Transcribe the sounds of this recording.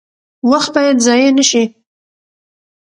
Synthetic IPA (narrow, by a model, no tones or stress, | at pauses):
waxt̪̚bɑjad̪zɑjenəʃi